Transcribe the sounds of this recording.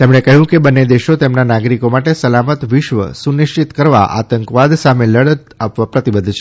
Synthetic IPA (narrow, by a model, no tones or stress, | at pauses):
t̪emɳekəɦjũkebənːed̪eʃot̪emnanaɡɾikomaʈesəlamət̪ʋɪʃʋə̰suniʃt͡ʃit̪kəɾʋa̰ʔa̰t̪əŋkʋad̪sameləɽət̪apʋapɾət̪ibəd̪ʱːt͡ʃʰe̥